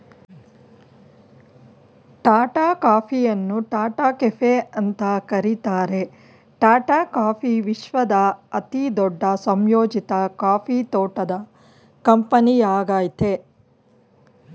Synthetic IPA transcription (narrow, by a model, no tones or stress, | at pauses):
ʈaːʈaːkaːpʰijɐnːuʈaːʈaːkefʰeɐnt̪ɐkɐɾit̪aːɾe̞ | ʈaːʈaːkaːpʰiʋiʃʋɐd̪ɐɐt̪id̪ɔɖːɐsɐmjoːd͡ʒit̪ɐkaːpʰit̪oːʈɐd̪ɐ | kɐmpɐnijaːɡaːjit̪e